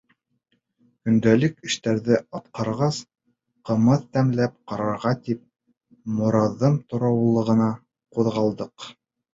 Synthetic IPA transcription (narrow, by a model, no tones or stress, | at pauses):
kɵ̆nd̪ælɘkɘ̆ʃt̪æɾðɘɑt̪̚qɑɾʁɑs | qɤ̆mɤðt̪æmlæp̚qɑɾɑɾʁɑt̪ip̚ | mŏɾɑðːɤmt̪ŏɾɑwlˠɤ̆ʁɤ̆nɑ | quðʁɑlˠd̪ɤq